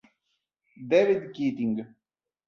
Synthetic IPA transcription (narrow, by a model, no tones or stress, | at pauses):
d̪eːʋɪd̪kiːt̪ĩŋɡ